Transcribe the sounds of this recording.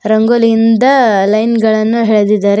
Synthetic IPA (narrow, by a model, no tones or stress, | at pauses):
ɾɐŋɡoːliind̪ɐlɐjnɡɐɭɐnːuɦeːɭd̪id̪ːaːɾe